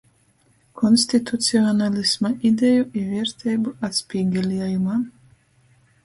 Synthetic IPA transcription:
kʰɔnsʲt̪it̪ut̪siɔnalʲismaʔid̪ʲɛjuʔiviɛɾt̪ʰɛjbuat̪sʲpʲiːɡʲɛlʲiɛjumaː

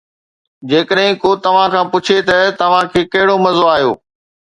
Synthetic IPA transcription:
d͡ʑeːkəɗɦɪ̃koːt̪ɐʋ̤ãkʰãːpʊt͡ɕʰet̪ɐt̪ɐʋ̤ãkʰeːkɐɦɪɽomɐzoaːɦjo̰ː

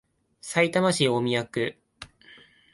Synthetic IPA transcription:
sait̪amaɕiomʲijakɯ̟

